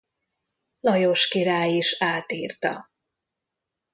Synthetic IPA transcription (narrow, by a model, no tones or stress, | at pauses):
lɒjoʃkiɾaːjiʃaːt̪iːrt̪ɒ̰